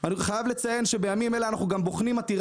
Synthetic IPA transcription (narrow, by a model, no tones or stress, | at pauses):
aniχajavle̞t͡saje̞nʃe̞be̞jamimeleanaχnuɡamboχnimat̪iʁ